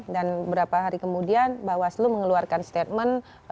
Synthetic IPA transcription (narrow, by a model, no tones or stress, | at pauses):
danəbəɾapaɦaɾikəmudianbawasluməŋəluarkanst̪et̪̚mən